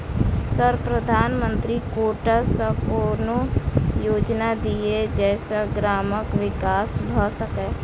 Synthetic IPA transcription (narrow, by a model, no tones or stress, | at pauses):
səɾpɾəd̪ʱaːnmə̃nt̪ɾikoːʈasə̃koːnojoːd͡ʒnad̪ied͡ʒɛːsaɡɾaːməkʋɪkaːsbʱəsəkɛ